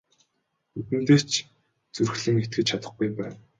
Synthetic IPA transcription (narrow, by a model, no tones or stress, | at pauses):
ut̪ɘ̆nt̪eːt͡ɕ | t͡surxɮɘ̆ŋet̪̚ɡɘ̆t͡ɕt͡ɕʰat̪ə̆χɡujpæːn